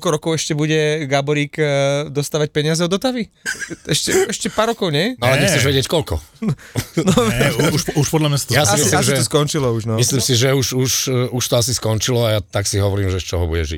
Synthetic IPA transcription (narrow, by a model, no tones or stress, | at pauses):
kɔlkɔɾɔkɔʊɛʃcɛbuɟɛɡabɔɾiːkd̪ɔst̪aːʋac̚pɛɲɪazɛɔd̪ɔt̪aʋiɛʃcɛɛʃcɛpaːɾːɔkɔʊɲɛnɔalɛɛxɛʒʋɛɟɪɛckɔlkɔ | nɔuʃuʃpɔd̪lamɲasḁt̪ɔjasimislimʒiɛɔskɔnt͡ʃilɔuʒnɔmisliːmsiʒɛuʃuʃuʃt̪ɔasiskɔnt͡ʃilɔajat̪aksiɦɔʋɔɾiːmʒɛst͡ʃɔɦɔbuɟɛ̰ʒḭ